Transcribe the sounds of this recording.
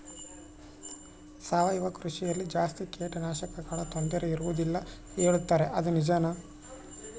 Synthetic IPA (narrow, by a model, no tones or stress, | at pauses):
saːʋɐjiʋɐkɾuʃijɐlːid͡ʒaːst̪ikeːʈɐnaːʃɐkɐkaːɭɐt̪ond̪ɐɾeiɾuʋud̪ilːɐ | eːɭut̪ːaːɾe̞ʔɐd̪unid͡ʒaːnɐ